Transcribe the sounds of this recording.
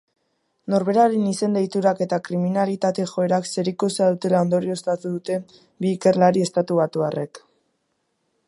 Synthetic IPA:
no̞ɾβe̞ɾaɾenise̞nd̪ajt̪uɾake̞t̪akɾiminalit̪at̪e̞ʝo̞e̞ɾakse̞ɾikosaðut̪e̞lao̞nd̪o̞ɾio̞st̪at̪uðut̪e̞ | biːke̞ɾlaɾie̞st̪at̪uβat̪uare̞k

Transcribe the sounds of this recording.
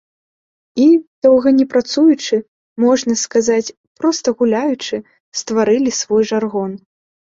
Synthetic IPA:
id̪̥ɔwɣɐnʲɛpɾat̪sujut͡ʂɨ | mɔʐnɐskazat͡sʲ | pɾɔst̪ɐɣulʲajut͡ʂɨ | st̪vaɾɨlʲisvɔjʐarɣɔn

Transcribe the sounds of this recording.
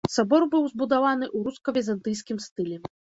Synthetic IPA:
sabɔrbɨwzbud̪avan̪ɨʔuɾuskɐvʲɛzant̪ɨjskʲimst̪ɨlʲɛ

